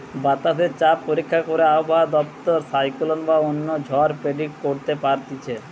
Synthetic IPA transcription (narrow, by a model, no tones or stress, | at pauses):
bat̪aset͡ɕappoɾikʰːakoɾeaobaɦad̪ɔpt̪oɾsajkolonbaonːod͡ʑʱɔɾpɾeɖiʈ̚koɾt̪epaɾt̪it͡ɕʰe